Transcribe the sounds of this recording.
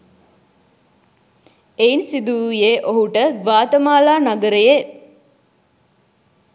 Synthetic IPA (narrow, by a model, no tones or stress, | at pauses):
einsid̪ujeʔoɦuʈəʋaːt̪əmaːlaːnaɡəɾəje